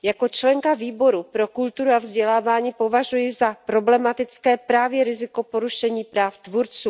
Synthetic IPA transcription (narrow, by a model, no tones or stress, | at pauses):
jako̞t͡ʃlɛŋkaviːbo̞ɾupɾo̞kult̪uɾuavzɟɛlaːvaːɲiːpo̞vaʒujɪzapɾo̞blɛmat̪ɪt͡skɛːpɾaːvjɛɾɪzɪko̞po̞ɾuʃɛɲiːpɾaːft̪vuɾt͡suː